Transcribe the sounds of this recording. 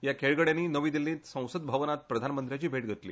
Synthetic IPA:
jakʰeɭɡəɽjãnːiːnəʋiːd̪ilĩːt̪sə̃w̃səd̪̚bʱaʋnat̪̚pɾəd̪ʱanmənt̪ɾjat͡ɕiːbʱeʈ̚ɡʱət̪lḭː

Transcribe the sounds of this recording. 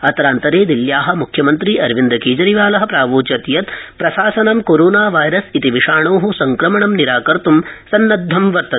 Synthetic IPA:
ɐt̪ɐɾaːnt̪ɐɾeːd̪iljaːɦɐ̆mukʰjɐmɐnt̪ɾiʔɐɾʋind̪ɐkeːd͡ʒɐɾiʋaːlɐɦɐ̆pɾaːʋoːt͡ʃɐt̪jɐt̪pɾɐsaːsɐnɐmkoɾoːnaːʋaːjɾɐsit̪iʋiʂaːɳoːɦusɐŋkɾɐmɐɳɐmniɾaːkɐɾt̪umsɐnːɐd̪ʱːɐmʋɐɾt̪ɐt̪

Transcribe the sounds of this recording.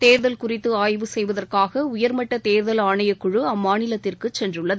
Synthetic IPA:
t̪eːɾðɐlkʊrɪt̪ːɯaːjʋɯsɛjʋɐðɐrkaːɣɐʊjɐɾmɐʈːɐt̪eːɾðɐlaːɳɐjɐkːʊɻɯɐmːaːnɪlɐt̪ːɪrkɯt͡ʃːɛndrɯɭːɐðɯ

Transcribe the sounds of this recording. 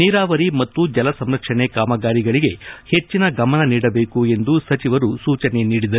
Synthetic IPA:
niːɾaːʋɐɾimɐt̪ːud͡ʒɐlɐsɐmɾɐkʂɐɳe̞kaːmɐɡaːɾiɡɐɭiɡe̞he̞t͡ʃːinɐɡɐmɐnɐniːɽɐbe̞ːkuend̪usɐt͡ʃiʋɐɾusuːt͡ʃɐne̞niːɽid̪ɐɾu

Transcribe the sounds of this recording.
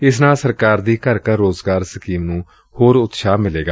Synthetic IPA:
ɪsnaːsəɾkaːɾd̪iːkəɾkəɾːoːzɡaːɾsəkiːmnũː | hoːɾʊt̪ʃaːmɪleːɡaː

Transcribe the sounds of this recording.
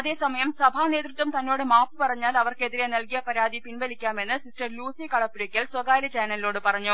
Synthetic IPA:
ɐðe̞ːsɐmɐjɐmsɐbʱaːne̞ːt̪rɨt̪ːɐmt̪ɐnːo̞ːɽɨmaːpːɨpɐrɐɲːaːlɐʋɐrke̞ðiɾenɐlkijɐpɐɾaːd̪ipinbɐlikʲːaːme̞nːɨsisʈɐrluːsikɐɭɐpːuɾɐkʲːɐlswɐɡaːɾɐt͡ɕaːnɐlilo̞ːɽɨpɐrɐɲːu

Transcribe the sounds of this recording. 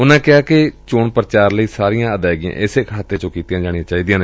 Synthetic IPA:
ʊnãːkɪaːkɪt͡ʃoːɳpəɾt͡ʃaːɾləiːsaːɾijãːəd̪aːɡɪjã̰ːʔɪsekʰaːt̪ːeːt͡ʃõːkiːt̪ijãːd͡ʒaːɽ̃iãːt͡ʃaːiːd̪ijãːn

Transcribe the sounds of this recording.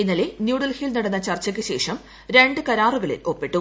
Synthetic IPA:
inːɐle̞njuːɽɐlhilnɐɽɐnːɐt͡ɕɐrt͡ɕːɐk̬ʲːɨɕe̞ːʂɐm | ɾe̞ɳɖɨkɐɾaːruɣɐɭḭlo̞pːeʈːu

